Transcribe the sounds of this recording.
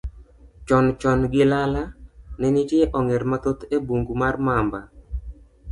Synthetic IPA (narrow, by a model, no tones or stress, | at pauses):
t͡ʃɔnt͡ʃɔnɡɪlalanɛnɪd͡ʒeʔɔŋɛɾmat̪ot̪ebuŋɡumarmamba